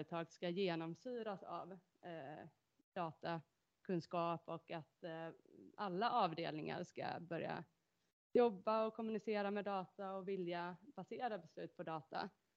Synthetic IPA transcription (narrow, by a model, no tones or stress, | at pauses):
ɾət̪ʰɑːɡskajeːnɔmsyːɾasa̰v | d̪̥ɑːt̪a | kʰɵnskɑːpɔkat̪ | alːaʔɑːvd̪eːlnɪŋa̰ɾʂka̰bœɾja̰ | jɔbːaɔkʰɔmːɵnɪseːɾamɛd̪ɑːt̪aɔvɪljab̥aseːɾabɛslʉ̟ːt̪̚pʰɔd̪ɑːt̪a̰